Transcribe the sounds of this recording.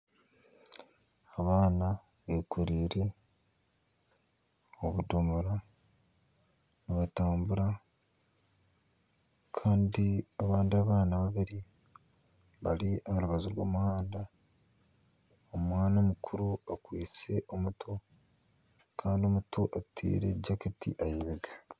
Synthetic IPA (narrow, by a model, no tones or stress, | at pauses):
aβaːna | βekʰuɾiːɾe̞ | oβudomoɾa | niβataːmbuɾa | kʰaːndiaβaːndiaβaːnaβaβiɾi | βaliʔaaɾuβazuɾwo̞̰ːmuhaːnda | omwaːnomukʰuɾuakwiːt͡se̞ʔo̞mutʰo | kʰaːndio̞mutoʔatʰḭːɾe̞̰ɟakitḭʔajiβiɡa